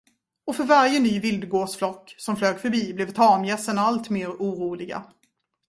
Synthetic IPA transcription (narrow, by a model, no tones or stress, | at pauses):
ɔfœɾvaɾjənyːvɪld̪ɡoːsflɔkːsɔmfløːɡfœɾbiːblɛvt̪ʰɑːmjɛsənalt̪meːɾuːɾuːlɪɡa̰